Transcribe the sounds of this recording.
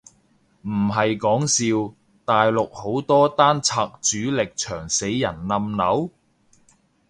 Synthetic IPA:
m̩˨˩ɦɐ˨jkɔː˨˥ŋsiː˧w | t̪aː˨jlʊ˨k̚ho˨˥wt̪ɔː˥t̪aː˥nt͡sʰaː˧k̚t͡ʃyː˨˥lɪ˨k̚t͡ʃʰœː˨˩ŋse˨˧˥jːɐ̰˨˩nlɐ˧mnɐ˨˧˥w

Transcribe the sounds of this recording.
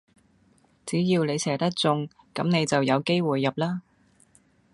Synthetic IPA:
t͡siː˨˥jiː˧wne˨˧jsɛː˨˩t̪ɐ˥k̚t͡sʊ˧ŋ | kɐ˨˥mne˨˧jt͡sɐ˨wjɐ˨˧wke˥jwuː˨jːɐ˨p̚laː˥

